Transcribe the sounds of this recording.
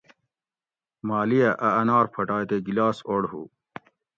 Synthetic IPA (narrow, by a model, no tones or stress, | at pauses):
maːlijɐʔɐɐnaːɾpʰɐʈaːjt̪eɡilaːsoɽhṵː